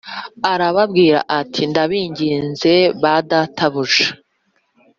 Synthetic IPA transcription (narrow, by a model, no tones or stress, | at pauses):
aɾaβabɡiːɾa̰ʔatʰindaβiːɲɟiːnze̞βadatʰaβuʒa